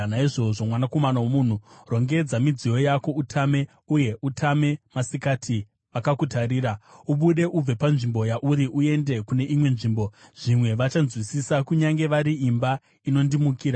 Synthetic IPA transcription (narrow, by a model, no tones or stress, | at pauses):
naiʐo̞ʐo̞mwanako̞manawomun̤uro̞ŋɡe̞d͡zamid͡zijo̞jako̞utʰame̞ | uje̞ʔutʰame̞masikatʰi | ʋakakutaɾiːɾauɓuɗe̞ʔub͡vepanʐimbo̞jaʔuɾiʔue̞nde̞kune̞ʔimwe̞nʐiːmbo̞ʐ̥imwe̞ʋat͡ʃanzwisisakuɲaŋɡe̞ʋaɾiimba | ino̞ndimukiːɾa